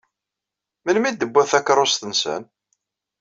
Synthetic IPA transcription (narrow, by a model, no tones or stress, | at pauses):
mənmid̪əbːæθækɾˤosθənsə̰n